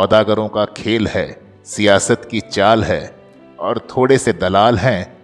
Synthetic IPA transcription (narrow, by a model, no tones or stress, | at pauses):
ɔːd̪aːɡəɾõkakʰeːlɦɛː | sijaːsət̪kit͡ʃaːlɦɛː | ɔːɾt̪ʰoːɽesed̪ɐlaːlɦɛ̃ː